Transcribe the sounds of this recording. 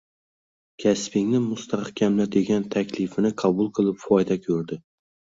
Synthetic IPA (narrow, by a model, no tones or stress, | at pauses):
kʲʰaspɪŋnɪmʊst̪ʰahkʲʰamlad̪eɡʲant̪ʰakʲlɪfɪnɪqʰɑbʊlˠqʰɨlˠɪpfɒjd̪akʲʰɵɾd̪ɪ